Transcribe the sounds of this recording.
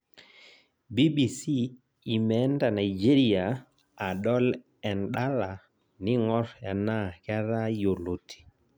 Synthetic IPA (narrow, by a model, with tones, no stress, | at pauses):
bi˦bi˨si˦ | i˨mɛ˨˦nda˨na˨d͡ʒe˦ɾi˦a˨ | a˨ɗɔ˦l | ɛ˨nɗa˦la˨ | nɪ˦ŋɔ˦ɾa˨na˦˨ka˦ɾa˦jo˨lo˨tʰi̥˨